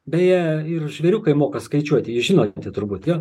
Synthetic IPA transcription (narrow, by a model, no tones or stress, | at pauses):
bʲɛjiɪrʒʲʋʲɛɾʲuːkɐɪmoːkɐskɐɪt͡ʃʲuɔt̪ʲɪjɪʒʲɪːnoːnʲt̪ʲɪt̪ʊrbuːt̪joː